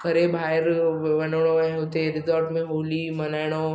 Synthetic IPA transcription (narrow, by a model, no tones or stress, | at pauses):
ɡʱɐɾebʱaːɪɾʋɐnɽ̃oaɦɦʊt̪eɾɪzɔːɾʈmẽɦoːlimɐnaːɪɽ̃o